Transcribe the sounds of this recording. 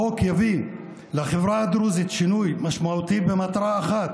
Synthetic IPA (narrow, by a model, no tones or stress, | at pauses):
okjavi | laχevɾaad̪ɾuzit̪ʃinujmaʃmaut̪itbemat̪aɾaːχat̪